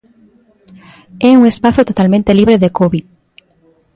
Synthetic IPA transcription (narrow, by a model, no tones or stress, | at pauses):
ɛuŋespaθot̪ot̪almẽnt̪eliβɾeðekoβið